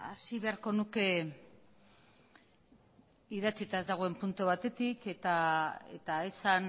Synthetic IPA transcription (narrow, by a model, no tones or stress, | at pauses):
a̰siβe̞aɾko̞nuke̞ | iðat͡sit̪aezd̪aɣ̞oe̞mpunt̪oβ̞at̪e̞t̪iket̪aḛt̪ae̞san